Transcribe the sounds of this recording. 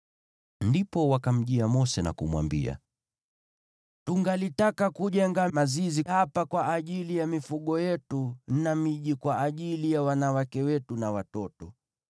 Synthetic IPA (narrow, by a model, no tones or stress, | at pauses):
ndipɔwakam̩ʄiamɔsɛna̰kumwa̰mbḭa̰ | tuŋɡalitakakuʄɛŋɡamazizihapakwaʔːʄilijamifuɠɔjɛtunamiʄikwaʔːʄilijawanawakɛwɛtunawatɔtɔ